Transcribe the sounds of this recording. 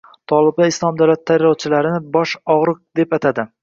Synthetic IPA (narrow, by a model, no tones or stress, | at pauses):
t̪ʰɒlˠɪb̪̚aɪslˠɒmd̪awlat̪ʰːajɾɒwt͡ʃʰɪlaɾɪnɪbɒʃɒʁɾɨq̚d̪e̞pat̪ʰad̪ɪ